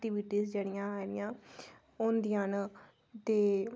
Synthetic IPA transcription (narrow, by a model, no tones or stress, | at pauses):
ʈiːʋiʈiːzd͡ʒeːɽɪjãːaɾɪ̰jãː | ʊnd̪ɪjãːn | t̪eː